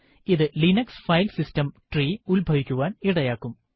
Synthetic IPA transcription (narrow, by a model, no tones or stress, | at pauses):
iðɨlinɐksfɐjlsistɐmʈriːulbʱɐʋikʲːuʋaːniɽɐjaːkːum